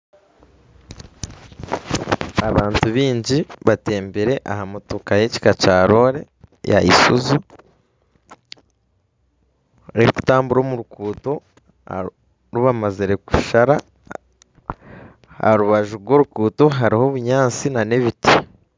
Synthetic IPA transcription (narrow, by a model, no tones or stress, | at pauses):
aβaːntuβiːɲɟiβate̞ːmbeɾe̞ʔahamotukajeci̥kacaːɾo̞ɾe̞̰ | ja̰ḭsuzu | eku̥taːmbuɾo̞ːmuɾukuːto̞̰ | ɾuβamaziɾe̞ku̥ʃaɾa | a̰ɾuβaʒuɾɡwo̞ːɾukuːto̞ɦaɾiho̞βuɲaːnt͡sinane̞βiti